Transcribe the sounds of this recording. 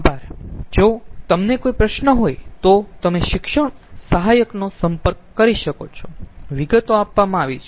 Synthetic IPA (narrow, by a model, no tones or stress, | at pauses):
bʱaɾd͡ʒot̪əmnekoipɾəʃnəɦojt̪ot̪əmeʃɪkʃəɳsəɦajəknosəmpəɾkːəɾiʃəkot͡ʃʰoʋiɡət̪oapʋamãaʋit͡ʃʰ